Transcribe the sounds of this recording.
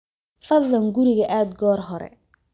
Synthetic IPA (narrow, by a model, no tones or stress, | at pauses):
fɐd̪lɐŋɡʊɾɪɣɐʔaːd̪ɡɔːrɦɔɾɛ̰